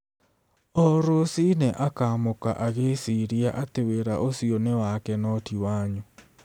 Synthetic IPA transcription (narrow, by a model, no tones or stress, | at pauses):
ɔɾosinɛʔakamoka̰ʔaɣesiɾiaʔateweɾaʔosionewakɛnɔtiwaːɲo